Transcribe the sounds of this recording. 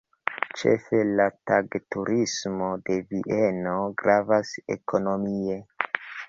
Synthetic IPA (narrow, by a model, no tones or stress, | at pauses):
t͡ʃe̞̰fe̞lataɡtuɾʔismo̞de̞viʔe̞no̞ɡɾavase̞̰ko̞no̞mie̞